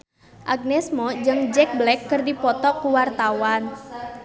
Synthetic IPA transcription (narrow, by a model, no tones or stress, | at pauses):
ʔaɡ̚nɛsmɔd͡ʒɨŋd͡ʒɛk̚blɛkːɨrdipɔt̪ɔkuwart̪awan